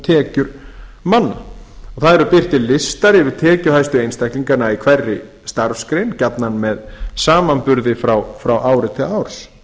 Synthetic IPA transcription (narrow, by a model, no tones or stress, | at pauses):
t̪ʰɛːcʏɾmanːa̰ɔθaðɛɾʏpɪr̥t̪ɪlɪst̪aɾɪvɪðt̪ʰɛːcʏhajst̪ʏejnst̪ɛkliŋkanaikʰvɛrːɪ | st̪aɾfskɾejncapnanmɛðsaːmanpʏɾðɪfɾawfɾawʔaːwɾɪt̪ʰɪlaːwɾ̥s